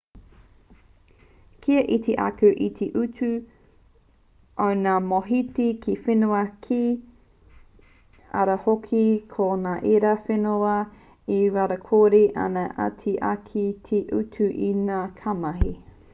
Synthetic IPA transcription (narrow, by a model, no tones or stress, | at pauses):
kʰiɐʔitʰeʔa̰kʉʔitʰeʔʉtʉ | ʔonaːmoɦitikʰifenuɐkʰi | ɐ̰ɾɐhokʰikʰonaːʔeɾɐfenoɐ | iɾaɾɐkʰoɾiʔɐ̰nɐʔa̰tʰiʔakʰitʰeʔutʰʉʔinaːkʰamɐɦi